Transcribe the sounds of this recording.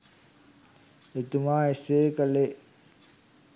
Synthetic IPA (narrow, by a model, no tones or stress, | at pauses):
et̪umaːeseːkəle